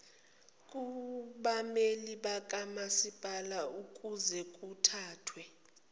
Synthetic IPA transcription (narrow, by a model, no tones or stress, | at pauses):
kʼuɓameliɓak̬ʼamasipʼalaukʼuzɛk̬ʼutʰaːtʰwɛ